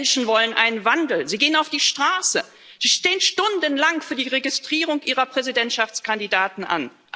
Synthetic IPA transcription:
nʃn̩vɔlənʔa̰ɪnənvandl̩ziːɡeːənaʊfd̥iːʃtʁ̥aːsə | z̥iːʃteːənʃtʊndənlaŋfyːɐdiːʁeɡɪstʁ̥iːʁʊŋʔiːʁɐpʁ̥ɛzidɛntʃaft͡skandidaːtn̩ʔa̰n | ʔ

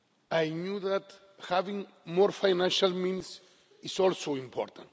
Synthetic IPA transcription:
ajnjuðat̪ | havĩŋ | mɔɾfajnãnʃalmĩns | isɔlsoĩmpʰɔ̰ɾt̪ãnt

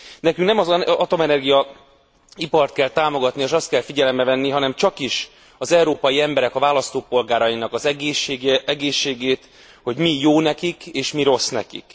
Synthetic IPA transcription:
nɛkyŋknɛmɒzɒt̪o̞mɛnɛrɡijɒ | ipɒrt̪̚kɛlt̪aːmo̞ɡɒt̪nieːʃɒst̪̚kɛlfiɟɛlɛmbɛvɛnːiɦɒnɛmt͡ʃɒkiʃ | ɒzɛuɾoːpɒjiɛmbɛɾɛkɒvaːlɒst̪oːpo̞lɡaːɾɒjinɒkɒzɛɡeːʃeːɡeɛɡeːʃːeːɡeːt̪ | ho̞ɟmijoːnɛkikeːʃmiɾo̞snɛ̰kḭk

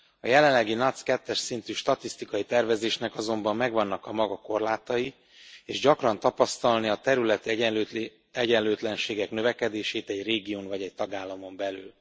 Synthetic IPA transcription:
ɒjɛlɛllːɛɡinɒt̪skɛt̪ːɛʃsint̪yːʃt̪ɒt̪ist̪ikɒjit̪ɛrvɛzeːʃnɛkɒzo̞mbɒmːɛɡvɒnːɒkɒmɒɡɒko̞rlaːt̪ɒji | eːʒɟɒkrɒnt̪ɒpɒst̪ɒlniɒt̪ɛɾylɛt̪ | ɛɟɛnløːt̪lɛnʃeːɡɛknø̞vɛkɛd̪eːʃeːt̪ɛɟreːɡioːnvɒɟɛc̚t̪ɒɡaːlːɒmo̞mbɛly̰ːl

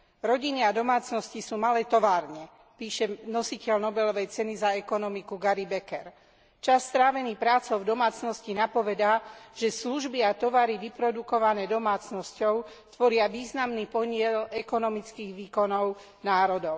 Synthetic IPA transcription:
ɾɔɟiniad̪ɔmaːt͡snɔscisuːmalɛːt̪ɔʋaːɾɲɛ | piːʃɛnɔsicɛlnɔbɛlɔʋɛjt͡sɛnizaɛkɔnɔmikuɡaɾibɛkɛɾ | t͡ʃasːt̪ɾaːʋɛnipɾaːt͡sɔʊd̪ɔmaːt͡snɔscinapɔʋɛd̪aːʒ̥ɛsluʒbiat̪ɔʋaɾiʋipɾɔd̪ukɔʋanɛːd̪ɔmaːt͡snɔscɔʊ | t̪ʋɔɾɪaʋiːznamniːpɔɲɪɛlɛkɔnɔmit͡skiːɣʋiːkɔnɔʊ | naːɾɔd̪ɔʊ

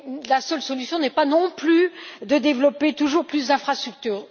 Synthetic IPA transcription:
lasœlsɔlysjɔ̃nɛpanɔ̃plyd̪əd̪evlɔpet̪uʒuʁplysd̪ɛ̃fχast̪χyk̚t̪yːʁ

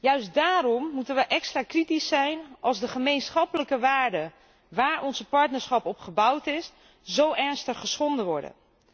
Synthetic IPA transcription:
jœɥstdaːɾɔmːutənʋəʔɛkstraːkritisɛjnʔɑlˠzdəχəmejnsχɑpələkəʋaːɹdə | ʋaːɹɔnzəpɑɹtnəɹsχɑpɔpχəbʌwtɪs | zowɛɹnstəχəsχɔndəʋɔɹdə̰

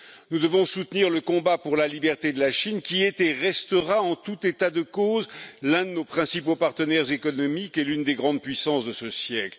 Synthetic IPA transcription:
nud̪əvɔ̃sut̪niʁləkɔ̃bapuʁlalibɛʁt̪ed̪əlaʃinkʲiet̪eʁɛst̪əʁaɑ̃t̪ut̪et̪ad̪əkozlɛ̃d̪ənopχɛ̃sipopaʁt̪ənɛʁzekɔnɔmikɛlynd̪eɡʁɑ̃d̪̚pɥisɑ̃sd̪əsəsjɛkl

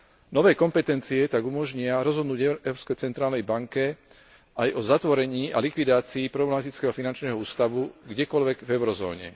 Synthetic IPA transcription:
nɔʋɛːkɔmpɛt̪ɛnt͡siɛt̪aɡumɔʒɲɪaɾɔzɦɔd̪nuːɟɛɛʊɾɔpskɛjt͡sɛnt̪ɾaːlnɛjbaŋkɛ | ajʔɔzat̪ʋɔɾɛɲiːalikʋid̪aːt͡siːpɾɔblɛmat̪it͡skɛːɦɔfinant͡ʃnɛːɦɔuːst̪aʋuɡɟɛkɔlʋɛɡvɛʊɾɔzɔ̰ːɲɛ̰

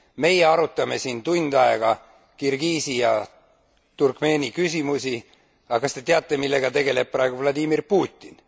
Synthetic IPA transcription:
me̞jeɑɾut̪ːˑɑme̞sint̪und̪̥ɑeɡ̥ɑ | kirɡiːsijɑ | t̪urkme̞ːnʲikysʲimusʲi | ɑkɑst̪e̞t̪eɑt̪ˑːe̞milːe̞ɡ̥ɑt̪e̞ɡe̞le̞b̥̚pːrɑe̞ɡ̥uvlɑd̪ʲimirpuːt̪ʲːˑin

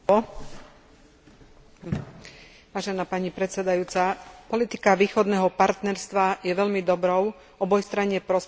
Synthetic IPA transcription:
ʋaːʒɛnaːpaɲipɾɛt̪sɛd̪ajuːt͡sapɔlit̪i̥kaʋiːxɔd̪nɛːɦɔpaɾt̪nɛɾst̪ʋajɛʋɛʎmid̪ɔbɾɔʊ | ɔbɔjst̪ɾaɲɪɛpɾɔs

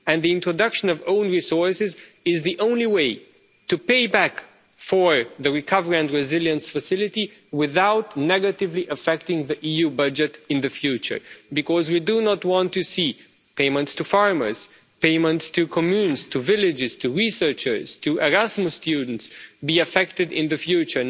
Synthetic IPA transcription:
ɨ̃nðiɪ̃ntɹodʌkʃə̃nʌvõʊ̃nɹisɔɹsɪz | ɪzðiʔõʊ̃nliweɪ | tɨpeɪbæk | fə˞ðɨɹikʰʌvəɹiɨ̃ndɹɪzɪljə̃nsfəsɪlɪti | wɪðaʊtnɛɡətɪvliʔəfɛk̚tɪ̃ŋðiʔijubʌd͡ʒɨtɪ̃nðɨfjʉt͡ʃə̰˞bɨkɔzwidunətwɑ̃ntːɨsi | pẽɪmə̃ntstufɑɹmə̰˞z̥ | peɪmə̃ntstʰɨkʰɔmjũnstʰuvɪlɪd͡ʒɪz̥tʰuɹisɜ˞t͡ʃə˞z̥tʰuʔəɹæzmʊstʰjʉdⁿn̩tsbiɨfɛktɨdɪ̰̃nðɨfjʉt͡ʃə˞

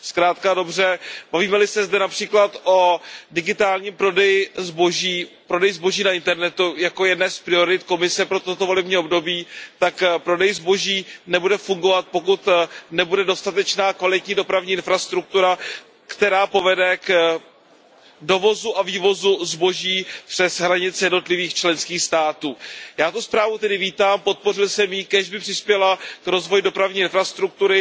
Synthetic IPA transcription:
skɾaːt̪kado̞br̝ɛb̥aviːmɛlɪsɛzdɛnapr̥iːklat̪ʔo̞dɪɡɪt̪aːlɲiːmpɾo̞dɛjɪzboʒiːpɾodɛjzbo̞ʒiːnaɪnt̪ɛɾnɛt̪ujako̞jɛdnɛːspɾɪo̞ɾɪt̪ko̞mɪsɛpɾo̞t̪ot̪ovo̞lɛbɲiːo̞bdo̞biːt̪akpɾo̞dɛjzbo̞ʒiːnɛbudɛfuŋɡo̞vat̪̚po̞kut̪nɛbudɛdo̞st̪at̪ɛt͡ʃnaːkvalɪt̪ɲiːdo̞pɾavɲiːʔɪnfɾast̪ɾuk̚t̪uɾa | kt̪ɛɾaːpo̞vɛdɛk | do̞vo̞zuʔaviːvo̞zuzbo̞ʒiːpr̥ɛsɦɾaɲɪt͡sjɛdno̞t̪lɪviːxt͡ʃlɛnskiːxst̪aːt̪uːjaːt̪uspɾaːvut̪ɛdɪviːt̪aːmpo̞t̪̚po̞r̝ɪlsɛmjɪkɛʒbɪpr̥ɪspjɛlakɾo̞zvo̞jdo̞pɾavɲiːɪnfɾast̪ɾuk̚t̪uɾɪ

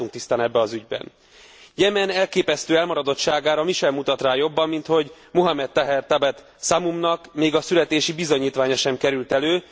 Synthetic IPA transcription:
uŋkt̪ist̪aːnɛbːɛɒzyɟbɛ̰n | jɛmɛnɛlkeːpɛst̪øːɛlmɒɾɒd̪o̞t̪ʃaːɡaːɾɒmiʃɛlmut̪ɒt̪raːjo̞bːɒmːint̪ho̞ɟ | muɦɒmɛt̪̚t̪ɛɦɛrt̪ɛbɛt̪ | samumnɒkmeːɡɒsylɛt̪eːʃibizo̞ɲiːt̪ʋaːɲɒʃɛmkɛɾylt̪ɛløː

